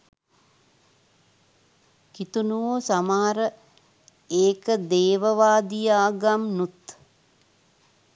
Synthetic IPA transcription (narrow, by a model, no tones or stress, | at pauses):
kit̪unuʋoːsamaːɾə | eːkəd̪eːʋəʋaːd̪ijaːɡamnut̪